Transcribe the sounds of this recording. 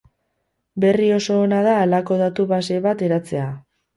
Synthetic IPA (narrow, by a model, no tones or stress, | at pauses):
be̞rio̞so̞ːnaðaːlako̞ð̞at̪uβase̞βat̪e̞ɾat͡se̞a